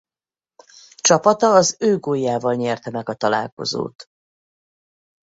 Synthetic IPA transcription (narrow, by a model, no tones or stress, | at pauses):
t͡ʃɒpɒt̪ɒːzøːɡoːjːaːvɒlɲɛrt̪ɛmɛɡɒt̪ɒla̰ːlko̞̰zo̰ːt̪